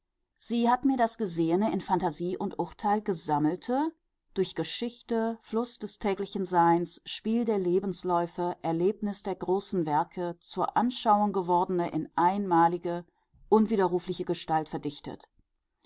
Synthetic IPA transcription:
z̥iːhatmiːɐdasɡ̥əzeːənəɪnfantaziːʔʊntʔʊɐtʰaɪlɡəzaml̩tʰə | d̥ʊɐçɡ̥əʃɪçtəflʊsd̥ɛstʰɛːklɪçn̩zaɪnsʃpiːldeːɐleːbn̩slɔʏfəʔɛɐleːpnɪsd̥eːɐɡʁoːsn̩vɛɐkʰət͡suːɐʔanʃaʊʊŋɡəvɔɐdən̩əʔɪ̰nʔaɪnmaːlɪɡə | ʔʊnviːdɐʁuːflɪçəɡəʃtaltfɛɐdɪçtə̰t

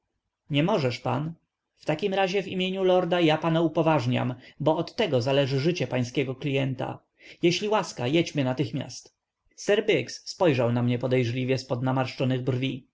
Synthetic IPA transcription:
ɲɛmɔʐɛʂpan | ft̪akʲimɾaʑɛvimʲjeɲulɔɾd̪ajapanaupɔvaʐɲa̰mbɔɔt̪ːɛɡɔzalɛʐɘʐɘt͡ɕɛpaj̃skʲɛɡɔklʲijɛnt̪a̰ | jɛɕlʲiwaskajɛd͡ʑmɘnat̪ɘxmʲja̰st̪ | sɛɾbɛksːpɔjʐawnamɲɛpɔd̪ɛjʐlʲivʲjɛspɔd̪namaɾʂt͡ʂɔnɘɣbrvʲi

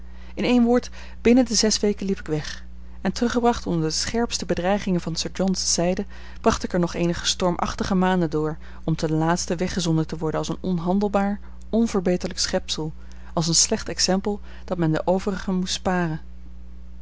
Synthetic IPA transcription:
ɪnejnʋʊːɹt | b̥ɪnədəzɛsʋejkənlipɪ̥kʋɛχ | ɛntrɵχəbrɑχtɔndəɹdəsχɛɹpstəbədrɛjχɪŋənvɑnsəɹd͡ʒɔnsːɛjdə | b̥rɑχtɪkəɹnɔχejnəχə̥stɔɹmʔɑ̰χtəχəmaːndədʊːɹ | ɔmtənlaːtstəʋɛχəzɔndətəʋɔɹdənɑlˠsənɔnɦɑndəlˠbaːɹ | ɔnvəɹbejtəɹləksχɛpsəlˠ | ɑlˠs̬ənslɛχtɛksɛmpəlˠ | d̥ɑtmɛndə̰ʔowvərəχəmutspaːrən

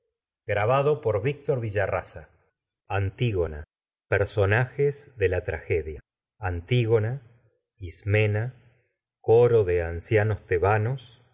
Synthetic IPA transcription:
ɡɾaβaðopoɾβik̚t̪oɾβiʒarasa | ant̪iɣona | peɾso̞naxezðe̞lat̪ɾaxeðja | ant̪iɣo̞na | izmena | koɾo̞ðeansjano̞st̪eβanos

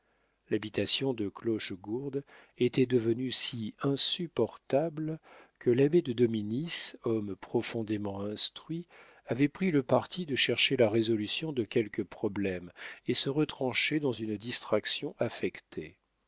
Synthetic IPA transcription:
labit̪asjɔ̃d̪əklɔʃɡuʁd̪ | et̪ɛd̪əvənysiɛ̃sypɔʁt̪ablkʰəlabed̪əd̪ɔminisɔmpχɔfɔ̃d̪emɑ̃ɛ̃st̪χɥi | avɛpχiləpaʁt̪id̪əʃɛʁʃelaʁezɔlysjɔ̃d̪əkʲɛlkəpχɔblɛmesəʁət̪χɑ̃ʃed̪ɑ̃zynd̪ist̪χaksjɔ̃ʔafɛkt̪ʰe

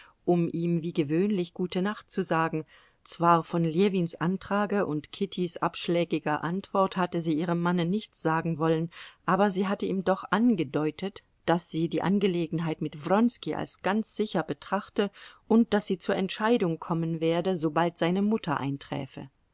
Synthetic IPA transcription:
ʔʊmʔiːmviːɡəvøːnlɪçɡ̥uːtənaχt̚t͡suzaːɡŋ̩ | t͡sv̥aːɐfɔnleːviːnsʔantʁ̥aːɡəʔʊntkʰɪtʰisʔa̰pʃlɛːɡɪɡɐʔantv̥ɔɐthatəziːʔiːʁəmːanənɪçt͡sz̥aːɡŋ̩vɔlənʔaːbɐziːɦatəiːmdɔχʔanɡədɔʏtət | d̥asz̥iːdiːʔa̰nɡəleːɡŋ̩ɦaɪtmɪtv̥ʁɔnskiʔa̰lsɡ̥ant͡sz̥ɪçɐbətʁ̥aχtəʔʊnt̚d̥asz̥iːt͡suːɐʔɛntʃaɪdʊŋkʰɔmənveːɐdəzobaltz̥aɪnəmʊtʰɐʔa̰ɪntʁ̥ɛ̰ːfə̰

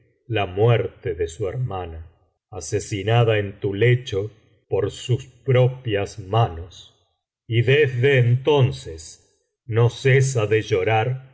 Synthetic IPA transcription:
lamwɛɾt̪eðesueɾmanaː | sesinaðaent̪ulet͡ʃo | poɾsuspɾopjasmanos | iðezðeːnt̪o̞nses | noses̬aðeʒoɾaɾ

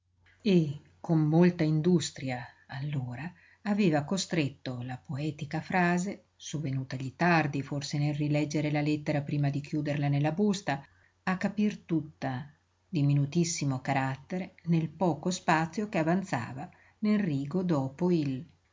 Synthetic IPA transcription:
e | kːomːolt̪aind̪ust̪ɾjaː | lːoːɾaː | veːvakost̪ɾet̪ːolapoɛːt̪ikafɾaːze | sovːenuːt̪aʎit̪ard̪iforsenelrilɛd͡ʒːeɾelalɛt̪ːeɾapɾiːmad̪ikjuːd̪erlanelːabust̪aː | kːapirt̪ut̪ːa | d̪iminut̪isːimokaɾat̪ːeɾenelpɔːkospat̪sːjokeavant̪sa̰ːva | nelriːɡod̪ɔːpoil

